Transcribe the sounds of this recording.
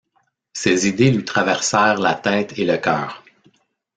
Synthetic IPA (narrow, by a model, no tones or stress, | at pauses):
sezid̪elɥit̪χavɛʁsɛːʁlat̪ɛːt̪ʰeləkʲœ̰ːʁ